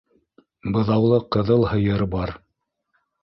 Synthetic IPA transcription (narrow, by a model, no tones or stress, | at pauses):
bɤ̆ðɑwlˠɤqɤ̆ðɤlˠhɤ̆jɤɾbɑɾ